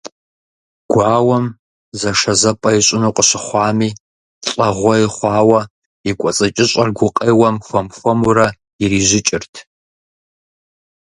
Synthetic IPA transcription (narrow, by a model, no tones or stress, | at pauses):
ɡ̥ʷɑːwɐm | zɐʂɐzɐpʼɐiɕʼɪnuːqʼəɕɪχʷɑːmiː | ɬʼɐʁʷɔiχʷɑːwɐ | ikʷʼɔt͡sʼɐt͡ʃʼɪɕʼɐrɡʷʊqʼeːwɐmxʷɐmxʷɔmuɾɐ | iriːʒɪt͡ʃʼɪrtʰ